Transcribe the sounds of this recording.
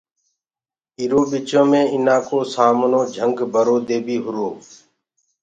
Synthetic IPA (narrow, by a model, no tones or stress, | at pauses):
iɾoːɓit͡ʃõːmẽːɪnãːkoːsaːmnõːd͡ʒʱəŋɡbʱəɾoːd̪eːbʱiːɦʊɾoː